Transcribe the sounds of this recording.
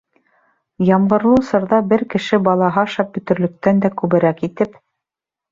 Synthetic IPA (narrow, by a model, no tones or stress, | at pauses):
jɑmɢɤ̆ɾlˠusɤ̆ɾðɑbɘɾkɘ̆ʃɘbɑlˠɑɦɑɑʃɑp̚bɵ̆t̪ɵ̆ɾlɵ̆k̚t̪ænd̪ækʉβɘ̆ɾækit̪ɘp